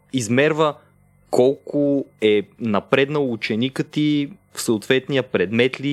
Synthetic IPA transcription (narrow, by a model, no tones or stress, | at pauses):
izmɛɾvə | kʰɔlˠkʊɛnɐpɾɛd̪nəut͡ʃɛnikət̪i | fsoːt̪vɛt̪nijəpɾɛd̪mɛt̪li